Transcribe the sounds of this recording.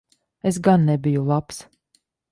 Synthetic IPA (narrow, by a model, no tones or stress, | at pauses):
es̬ɡanːɛbijulˠaps